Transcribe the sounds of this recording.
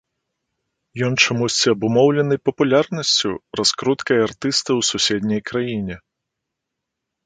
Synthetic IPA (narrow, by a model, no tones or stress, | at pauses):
jɔnt͡ʂamusʲt͡sʲiɐbumɔwlʲɛnɨpɐpulʲarnɐsʲt͡sʲṵraskɾut̪kɐjart̪ɨst̪ɨwsusʲɛd̪ʲnʲɐjkɾajinʲɛ